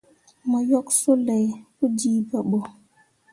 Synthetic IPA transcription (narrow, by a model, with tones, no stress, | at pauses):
mə˨jɔ˦kso˦lɛ˨jpu˦d͡ʒiː˦pə˨ɓo˨